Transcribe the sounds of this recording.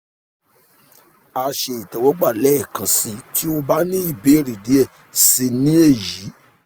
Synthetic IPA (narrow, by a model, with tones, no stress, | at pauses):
a˨˧ʃe˨i˨tɛ˨wɔ˨˦ɡ͡ba˦˨lɛ˦˨kã˨si˧ti˦o˦ba˦nĩ˦i˦˨be˨˦˨ɾi˨di˨˦ɛ˦˨ | si˧nĩ˦e˦˨ji˨˦